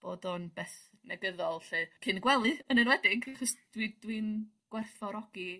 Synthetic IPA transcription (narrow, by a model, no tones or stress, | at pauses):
b̥oːdɔnbeːθ | nɛɡəðɔlˠɬɨːkʰɪnɡwɛlˠɨənənwɛdɪɡaχɔsd̥widwin | ɡ̥wɛrθɔɾɔɡ̥i